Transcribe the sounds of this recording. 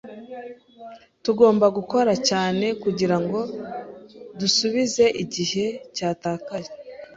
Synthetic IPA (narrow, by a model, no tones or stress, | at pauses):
tuɡo̞ːmbaɡuko̞ɾacaːne̞kuɟiɾaŋɡo̞ | dusuβize̞ʔiɟihe̞caːtaːkaʒe